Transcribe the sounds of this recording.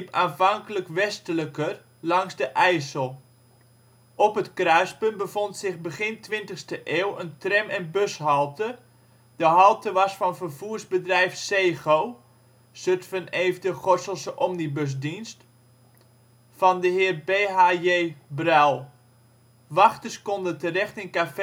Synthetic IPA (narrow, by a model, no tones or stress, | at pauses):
ipaːnvɑŋkələkʋɛstələkər | lɑŋsdəʔɛjsəlˠ | ʔɔpətkrœɥspønbəfɔntsɪxbəɣɪntʋɪntəxstəʔeːwəntrɛmɛnbøshɑlˠtʰə | d̥əɦɑlˠtəʋɑsfɑnfərvuərzbədrɛjfseːxow | søtfəneːvdəχɔrsəlˠsəʔɔmnibøs̬dinst | fɔndəɦɪərbeːɦajeːbrɛlˠ | ʋɑxtəskɔndətərɛxtɪnkaf